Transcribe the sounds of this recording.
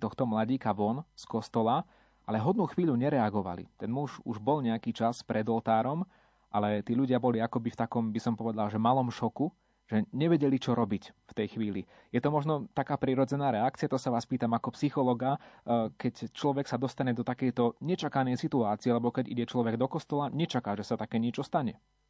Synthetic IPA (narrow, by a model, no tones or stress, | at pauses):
t̪ɔxt̪ɔmlaɟiːkaʋɔnskɔst̪ɔla | ʔalɛɦɔd̪̚nuxʋiːʎuɲɛɾɛaɡɔʋa̰lḭt̪ɛnmuʒuʒbɔlɲɛakiːt͡ʃaspɾɛd̪ɔlt̪aːɾɔm | ʔalɛt̪iːʎuɟɪabɔliakɔbift̪akɔmbisɔmpɔʋɛd̪alʒɛmalɔmʃɔku | ʒɛɲɛʋɛɟɛlit͡ʃɔɾɔbicft̪ɛjxʋiːli | jɛt̪ɔmɔʒnɔt̪akaːpɾiɾɔd͡zɛnaːɾɛakt͡siɪat̪ɔsaʋaːspiːt̪amakɔpsixɔlɔɡakɛct͡ʃlɔʋɛksad̪ɔst̪aɲɛd̪ɔt̪akɛjt̪ɔɲɛt͡ʃakanɛjsit̪uaːt͡siɛlɛbɔkɛɟḭɟɛt͡ʃlɔʋɛɡd̪ɔkɔst̪ɔlaɲɛt͡ʃakaːʒɛsat̪akɛːɲɪɛt͡ʃɔst̪aɲɛ